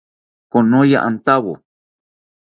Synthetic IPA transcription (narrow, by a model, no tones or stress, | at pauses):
konoja̰ʔant̪aβo̰